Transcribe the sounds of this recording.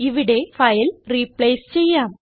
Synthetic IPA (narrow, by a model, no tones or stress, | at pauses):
ɪʋɪɽeːfɐɪlɾiːpleːst͡ɕɛjːaːm